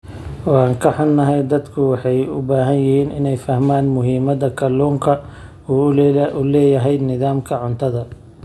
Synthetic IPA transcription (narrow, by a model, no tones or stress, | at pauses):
ʔɔːaːŋkʰɐħɑnːɐɦɛjd̪ɐd̪kʰʊwɑħɑjʊbaːɦɐnjɪhiːnɪ̰nɛjfɐhmaːnmʊɦiːmɐðɐkʰɐlɔːŋkʰɐ | ʊlɛːjɐɦɛjd̪nɪðaːmkʰɐʕʊnt̪ʰɐðɐ